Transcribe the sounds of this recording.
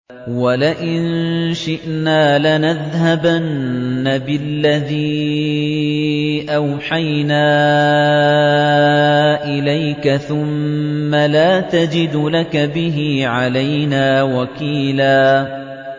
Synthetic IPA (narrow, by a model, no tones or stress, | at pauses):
walaʔɪnʃɪʔnaːlanaðhabanːabɪlːaðiː | ʔawħajnaː | ʔɪlajkaθʊmːalaːt̪ad͡ʒɪd̪ʊlakabɪɦiːʕalajnaːwakiːlaː